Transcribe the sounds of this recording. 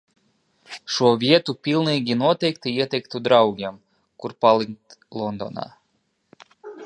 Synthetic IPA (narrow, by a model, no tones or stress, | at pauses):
ʃuoβʲjet̪upʲilˠnɨɡʲinot̪ekt̪ɨjet̪ekt̪ud̪ɾɑuɣʲem | kurpɑliŋt̪lˠond̪o̰nɑ̰